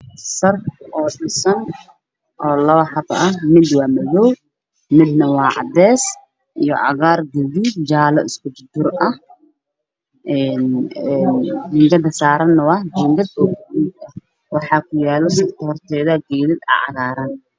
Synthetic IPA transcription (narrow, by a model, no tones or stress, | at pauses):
sɐrʔɔːɗɪsɐn | ʔɔːlɐβɐħɑbɐhmɪd̪wɑːmɐðɔw | mɪd̪nɐwɑːʕɑ̰d̪ɛːs | ʔijɔʕɑ̰ɣaːrɡɛðid͡ʒaːlɐɪskʰʊd͡ʒʊd̪ʊrɐh | ʔɛnɛnd͡ʒɪŋɡɐd̪ɐsaːɾɐnːɐwɑhd͡ʒɪŋɡɐd̪ɔkidɐ | wɑħɑːkʰʊjaːlɔsɐt̪ɔrt̪ʰɛːðɐɡɛːðɪd̪a̰ʕɑ̰ɣaːɾɐn